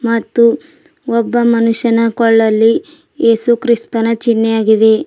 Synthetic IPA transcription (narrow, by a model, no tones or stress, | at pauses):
mɐt̪ːu | ɔbːɐmɐnuʃɐnɐkɔɭːɐlːi | e̞ːsukɾist̪ɐnɐt͡ʃinːejaːɡid̪e̞